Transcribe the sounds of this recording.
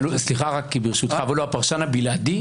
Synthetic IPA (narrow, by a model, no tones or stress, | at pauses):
lusliχaʁakːibiʁʃut̪χavaluapaʁʃanhabilad̪i